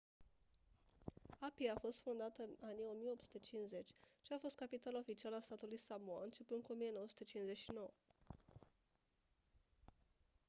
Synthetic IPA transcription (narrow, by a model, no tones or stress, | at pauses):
apiafo̞st̪fond̪at̪əɨnanijo̞mije̞o̞psu̥t̪et͡ʃinze̞t͡ʃʲʃiafo̞st̪̚kapit̪alaofit͡ʃialəast̪at̪ulujsamua̰ɨnt͡ʃe̞pɨnd̪̚kuo̞mijenowəsu̥t̪et͡ʃinsze̞ʃino̞wə